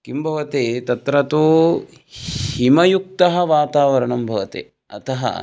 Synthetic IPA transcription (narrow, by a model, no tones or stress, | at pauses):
kimbʱɐʋɐt̪eːt̪ɐt̪ɾɐt̪oː | himɐjuk̚t̪ɐɦɐʋaːt̪aːʋɐɾɐɳɐmbʱɐʋɐt̪ḛː | ɐ̰t̪ʰɐɦɐ̰